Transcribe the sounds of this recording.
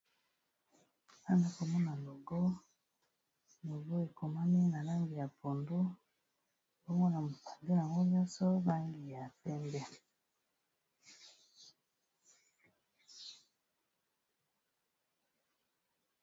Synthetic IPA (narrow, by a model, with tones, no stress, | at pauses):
a˦na˨˦ko˨mo˦na˨lo˨ɡo˦ | no˨ɡo˦e˨ko˨ma˦ne˦na˨la˦ŋɡi˨ja˨po˨ndu˦ | bo˦mo˦na˨mu˨pḁ˨ndi˦na˨ŋo˦mjɔ˦so˦βa˦ŋɡi˨ja˨te˦nde˦